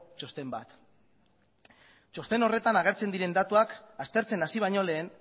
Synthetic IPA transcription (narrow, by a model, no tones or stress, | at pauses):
t͡ʃo̞st̪e̞mba̰t̪ | t͡ʃo̞st̪e̞no̞re̞t̪anaɣ̞e̞ɾt͡se̞nd̪iɾe̞nd̪at̪uakast̪e̞ɾt͡se̞nasiβ̞ajɲo̞le̞ːn